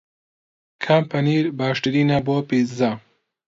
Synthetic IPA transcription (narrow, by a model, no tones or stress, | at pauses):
kʰaːmpɐniːɾbaːʃʈiɾinaboːpit͡sza